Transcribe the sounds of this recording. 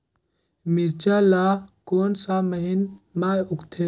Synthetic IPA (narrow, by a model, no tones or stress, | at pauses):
miɾt͡ʃaːlaːkoːnsaməɦinmaːjʊkt̪ʰe